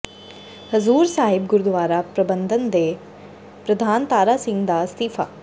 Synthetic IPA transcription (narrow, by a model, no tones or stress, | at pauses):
hɐzuːɾsaːɦɪb̚ɡʊɾd̪ʋaːɾapɾəbə̃nd̪ʱənd̪eː | pɾɐd̪ʱaːnt̪aːɾaːsɪ̃ŋɡd̪ast̪iːfʰa̰ː